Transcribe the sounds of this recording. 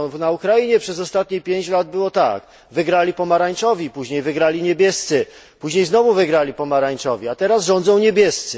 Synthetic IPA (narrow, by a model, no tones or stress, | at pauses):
naukɾajiɲɛpʂɛzɔst̪at̪ɲipʲjeɲt͡ɕlad̪̚bɘwɔt̪a̰k | vɘɡɾalʲipɔmaɾaɲt͡ʂɔvʲjipuʑɲejvɘɡɾalʲiɲebʲjɛst̪sɘ | puʑɲejznɔvuvɘɡɾalʲipɔmaɾaɲt͡ʂɔvʲiat̪ɛɾazʐɔnd̪zɔ̃w̃ɲebʲjɛst̪sɘ